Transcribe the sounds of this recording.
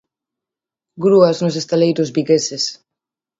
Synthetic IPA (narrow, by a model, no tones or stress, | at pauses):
ɡɾuaznʊs̬est̪alejɾʊzbiɣeses